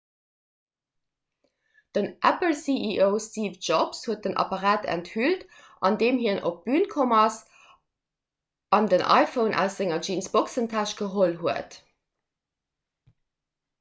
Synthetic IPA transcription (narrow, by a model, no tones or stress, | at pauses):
d̥ənʔæpəlsiʔiʔoʊstiːvd͡ʒɔpshuət̚d̥ənʔɑ̰pɑʁaːtʰæ̰nthylt | ʔɑndeːmɦiənʔop̚b̥yːnkʰomɐs | ɑndənʔɑ̰ɪfəʊnʔɑ̰ʊsz̥ɪŋɐd͡ʒinsb̥oksəntʰæʃɡ̥əɦolɦuət